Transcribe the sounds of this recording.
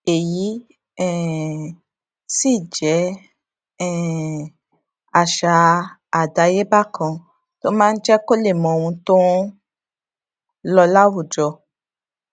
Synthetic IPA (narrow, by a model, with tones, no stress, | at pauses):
e˨ji˨˦ | ɛ˦˨ | si˦˨d͡ʒɛ˨˦ | ɛ˦˨ | a˨ʃa˨˧a˨da˨˦je˦ba˦˨kã˧ | to˦mãː˦˧n̩˦d͡ʒɛ˦ko˦le˦˨mɔ̃˨wũ˧tõ˦ | lɔ˧la˦wu˦˨d͡ʒɔ˧